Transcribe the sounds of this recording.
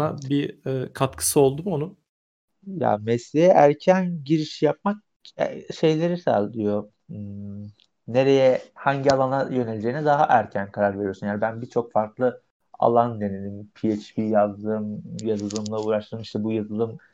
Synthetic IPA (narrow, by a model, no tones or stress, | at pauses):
nabiɛːkʰat̪kʰɯ̥sɯo̞lˠd̪umo̞nu | ja̰mɛslʲejɛʔæɾcʰænɟiɾiʃijap̚mak̚ | ɛ̰ʃe̞jlʲe̞ɾisa̰lʲd̪ijo̞ | ne̞ɾe̞jɛhaɲɟialˠanajø̞nelʲed͡ʒe̞jinɛd̪aɦaʔæɾcʰænkʰaɾaɾve̞ɾijosunjaːnibænbit͡ʃʰo̞kfaɾklˠɯ | a̰lˠand̪e̞ne̞lʲimpʰiet͡ʃbijazd̪ɯmjazɯlˠɯmlˠauːɾaʃt̪ʰɯmiʃt̪ʰɛbujazɯlˠɯm